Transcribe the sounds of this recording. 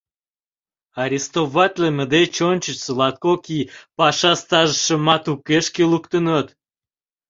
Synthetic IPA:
ɑɾʲist̪oβɑt̪ʲleməd̪et͡ɕont͡ɕət͡ɕsəlɑt̪̚kokipɑʃɑst̪ɑʒəʃə̆mɑt̪ukeʃkelukt̪ənət̪

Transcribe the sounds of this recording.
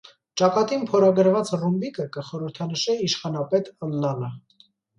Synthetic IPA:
t͡ʃɑkɑt̪inpʰɔɾɑɡəɾvɑt͡srumbikəkəχɔɾəɾt̪ʰɑnəʃɛiʃχɑnɑpɛt̪əlːɑnə

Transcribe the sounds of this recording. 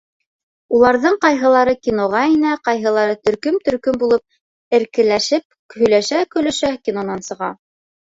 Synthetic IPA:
ulˠɑɾðɤɴqɑjɦɤ̆lˠɑɾɤkʲinoʁɑinæqɑjɦɤ̆lˠɑɾɤt̪ɵ̆ɾkɵmt̪ɵ̆ɾkɵmbulˠɤp̚ | ɘ̆ɾkɘ̆læʃɘp̚ | hɵ̆jlæʃækɵ̆lɵ̆ʃækʲinonɑnsɤ̆ʁɑ̰

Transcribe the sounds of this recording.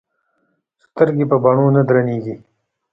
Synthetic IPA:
st̪əɾɡepəbaɳonad̪ɾaneɡi

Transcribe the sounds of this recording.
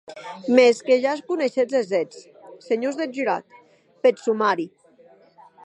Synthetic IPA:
meskeʒaskuneʃezezet͡s | seɲozðeʒyɾa̰t̪ | pesumaɾi

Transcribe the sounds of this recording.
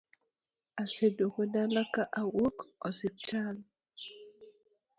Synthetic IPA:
asedokodalakaʔawokɔsɪp̚t͡ʃal

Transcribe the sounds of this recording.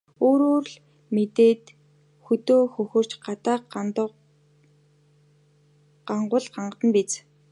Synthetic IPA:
oːɾoːrɮ | met̪eːt̪ | xɵt̪oːxɵxɵ̆r̥t͡ɕɢat̪aːqt̪ | ɢaɴɢʊːɮɢaɴɢə̆t̪ə̆npit͡s

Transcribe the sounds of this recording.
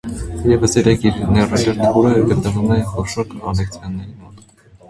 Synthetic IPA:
jɛvəsɛɾɛkʰiɾnɛrɑt͡ʃʰɛɾt̪əvuɾɛəɡət̪nəvumɛχɔʃɔɾkʰɑ̰lɛkt͡sʰjɑnːɛɾimɔt̪

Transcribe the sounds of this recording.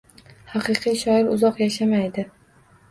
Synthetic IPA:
hɑqɨqʰijʃɒɪɾʊzɒqjaʃamajd̪ɪ

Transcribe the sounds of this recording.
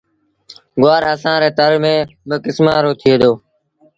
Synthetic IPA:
ɡʊaːɾəsãːɾeːt̪əɾmẽːbəkɪsmaːɾoːt̪ʰɪeːd̪oː

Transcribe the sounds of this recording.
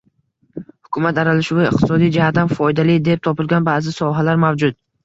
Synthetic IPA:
hʊkʰʊmat̪aɾalɪʃʊvɪɪq̚t̪ʰɪsɒd̪ijd͡ʒɪhat̪amfɒjd̪alɪd̪e̞p̚t̪ʰɒpɪlɡʲanbaːzɪsɒɦalaɾmavd͡ʒʊd̪̚

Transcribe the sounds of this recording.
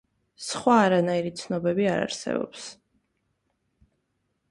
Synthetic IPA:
sχwaːɾanaiɾit̪sʰnɔbɛbiaɾa̰ɾsɛ̰bɔ̰ps

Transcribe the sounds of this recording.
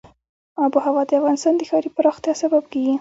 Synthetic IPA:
abuɦawɑd̪əafɣɑnɪst̪ɑnd̪əxɑɾipəɾɑxt̪jɑsabab̚kiɡi

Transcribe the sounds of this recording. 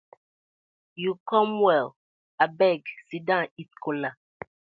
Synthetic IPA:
jukɔ̃mwɛl | abɛɡsidãitkʰɔla

